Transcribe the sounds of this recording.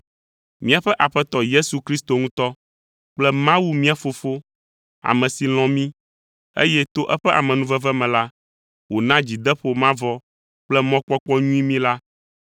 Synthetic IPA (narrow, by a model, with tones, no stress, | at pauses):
mĩ˦a˨ɸɛ˦ʔa˨ɸɛ˦t̪ɔ˨je˦su˨kɾi˦st̪o˨ŋũ˦t̪ɔ˦ | k͡plɛ˦mã˦wu˦mĩ˦a˨fo˨fo˦ | a̰˨mɛ̃˨si˨l̃ɔ̃˨mĩ˦ | ḛ˦jɛ˦t̪o˦ʔɛ˦ɸɛ˦ʔa̰˨mɛ̃˨nũ˦vɛ˦vɛ˦mɛ̃˨la˦ | wo˨nã˦d͡ʑi˨d̪ɛ˦ɸo˦mã˦vɔ˦ | k͡plɛ˦mɔ̃˦k͡pɔ˦k͡pɔ˦ɲũ˦i˦mĩ˦la˦